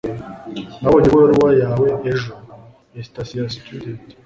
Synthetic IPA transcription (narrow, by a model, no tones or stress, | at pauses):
nawoɲiwoɾuwajaːweʔeʒo | estasiast̪ud̪ent